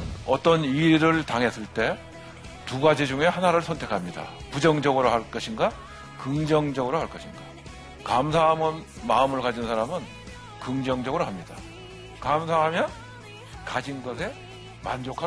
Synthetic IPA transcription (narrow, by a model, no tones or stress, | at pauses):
ʌt͈ʌniɾɯɭtaŋɦe̞s͈ɯɭt͈e̞ | tuɡad͡ʑid͡ʑuŋe̞hanaɾɯɭsʰʌntʰe̞kʰamɲida̰ | pud͡ʑʌŋd͡ʑʌɡɯɾoɦaɭk͈ʌɕʰinɡa | kɯŋd͡ʑʌŋd͡ʑʌɡɯɾohaɭk͈ʌɕʰinɡa | kamsʰaɦamɯn | maɯmɯɭkad͡ʑinsʰaɾamɯn | kɯŋd͡ʑʌŋd͡ʑʌɡɯɾoɦamɲida̰ | kamsʰaɦamjʌn | kad͡ʑinɡʌsʰe̞ | mand͡ʑokʰa